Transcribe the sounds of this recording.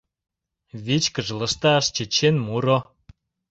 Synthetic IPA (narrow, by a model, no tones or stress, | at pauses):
βit͡ɕkə̆ʒələ̆ʃt̪ɑʃt͡ɕet͡ɕːenmuɾo